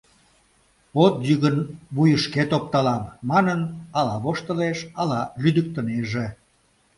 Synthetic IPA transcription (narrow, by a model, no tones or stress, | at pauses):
ot̪̚jyɣənβujəʃket̪op̚t̪ɑlɑmːɑnənɑlɑβoʃt̪əleʃɑlɑlyd̪ək̚t̪əneʒe